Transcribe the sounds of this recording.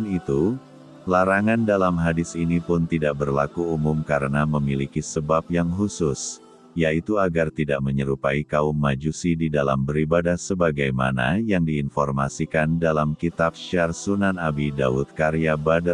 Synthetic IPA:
nit̪u | laɾaŋandalamɦadɪsinipʊnt̪idaʔ̚bərlakuumumkaɾənaməmilikisəbap̚jaŋɦusʊs | jait̪uaɡart̪idaʔməɲəɾupaikaumːad͡ʒusididalambəɾibadahsəbaɡajma̰na̰jaŋdiːnfɔrmasikandalamkit̪ap̚ʃarsunanabida̰ʊt̪̚kaɾiabada

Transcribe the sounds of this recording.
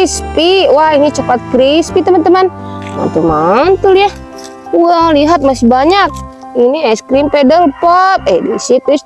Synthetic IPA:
ispiwainit͡ʃəpat̪̚kɾispit̪əmənt̪əmanma̰nt̪umant̪uliah | ualiɦat̪̚masibaɲak̚ | iniɛskɾimpɛdəlpɔt̪̚ɛ̰disit̪us

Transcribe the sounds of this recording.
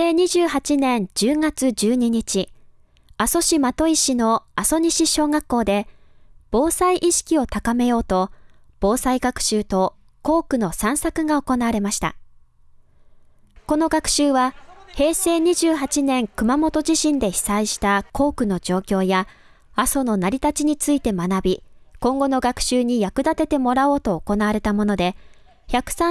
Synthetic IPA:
eːɲ̟iʑɨːhat͡ɕinẽ̞ɲd͡ʑɨːŋat͡sɨd͡ʑɨːɲ̟iɲ̟it͡ɕi | aso̞ɕimat̪o̞iɕino̞aso̞ɲ̟iɕiɕo̞ːɡakːo̞ːd̪e̞b̥o̞ːsaiʔiɕi̥kʲio̞t̪akame̞jo̞ːt̪o̞ | b̥o̞ːsaiɡakɯ̟̥ɕɨːt̪o̞ | ko̞ːkɯ̟no̞sãɰ̃sakɯ̟ɡao̞ko̞naaɾe̞maɕi̥t̪a̰ | ko̞no̞ɡakɯ̟̥ɕɨːβahe̞ːse̞ːɲ̟iʑɨːɦat͡ɕinẽ̞ŋkɯ̟mamo̞t̪o̞ʑiɕĩnd̪e̞çi̥saiɕi̥t̪ako̞ːkɯ̟no̞d͡ʑo̞ːkʲo̞ːjaː | so̞no̞naɾʲit̪at͡ɕiɲ̟it͡sɨit̪e̞manabʲikõ̞ŋɡo̞no̞ɡakɯ̟̥ɕɨːɲ̟ijakɯ̟d̪at̪e̞t̪e̞mo̞ɾao̞ːt̪o̞ːko̞naβaɾe̞t̪amo̞no̞d̪e̞ | çakɯ̟̥sã

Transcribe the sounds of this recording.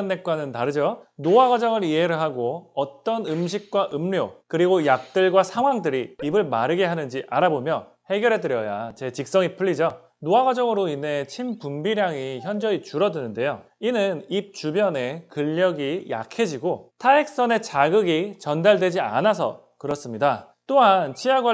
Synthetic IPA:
nːe̞k̚k͈wanɯntaɾɯd͡ʑonoaɡad͡ʑʌŋɯɾiɦeɾɯɭɦaɡoʌt͈ʌnɯmɕ̬ʰik̚k͈waʔɯmɾjokɯɾiɡojak̚t͈ɯɭɡwasʰaŋwaŋdɯɾiːbɯɭmaɾɯɡe̞ɦanɯnd͡ʑiʔaɾabomjʌ | he̞ɡjʌɾɦe̞dɯɾjʌja̰t͡ɕe̞t͡ɕik̚s͈ʌŋipʰɯʎːid͡ʑʌ | noaɡad͡ʑʌɡɯɾoine̞t͡ɕʰimpumbiɾjaŋiçjʌnd͡ʑʌit͡ɕuɾʌdɯnɯnde̞joinɯnip̚t͡ɕubjʌne̞kɯʎːʌɡija̰kʰe̞d͡ʑiɡotʰaek̚s͈ʌne̞t͡ɕaɡɯɡit͡ɕʌndaɭdwe̞d͡ʑia̰nasʰʌ̰ | kɯɾʌs͈ɯmɲida | t͈oɦant͡ɕʰiaɡwa

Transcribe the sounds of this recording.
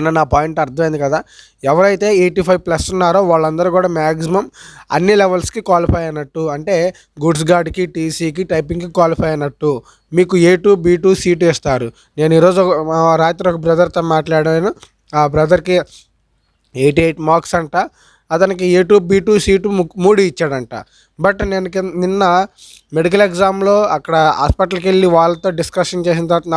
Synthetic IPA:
nɐnaːpaːjiɳʈɐɾd̪ʱɐmejːnd̪ikɐd̪aː | ɛʋɐɾɐjt̪e̞ːeːʈiːpʰɐjʋplɐsunːaːɾo̞ːʋaːɭːɐnd̪ɐɾukuːɽaːmaːksimɐmɐ̰nːilɛʋɐlskikwaːlipʰɐjɐnːɐʈːuɐɳʈe̞ː | ɡuɖs̬ɡaːɖkiʈiːsiːk̬iʈɐjpiŋɡkikʋaːlipʰɐjɐnːɐʈːu | miːkueːʈuːbiːʈuːsiːʈeːst̪aːɾu | ne̞ːniːɾo̞ːd͡ʒuɾaːjɐt̪uɾɔkɐbɾɐd̪ʱɐɾt̪oːmaːʈlaːɽɽɐnu | aːbɾɐd̪ɐɾki | ejʈieʈmaːksɐɳʈaː | ɐt̪ɐnikieːʈuːbiːʈuːsiːʈmuːɽiit͡ʃːaːɽɐɳʈa̰ː | bɐʈneːnukninːɐ | me̞ɽik̬ɐleɡzaːmlo̞ːɐkːɐɽɐɦa̰ːspɐʈɐlkeɭːiʋaːɭːɐt̪o̞ːɖiskɐʂɐnt͡ʃe̞ːs̬inɐt̪ɐɾʋat̪ɐn

